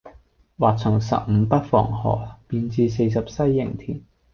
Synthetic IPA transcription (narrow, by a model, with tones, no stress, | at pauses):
waː˨k̚t͡sʰʊ˨˩ŋsɐ̰˨p̚m̩˨˧pɐ˥t̚fɔ̰ː˨˩ŋhɔ̰ː˨˩piː˧nt͡siː˧s̬e˧js̬ɐ˨p̚sɐ˥jːɪ̰˨˩ŋt̪ʰiː˨˩n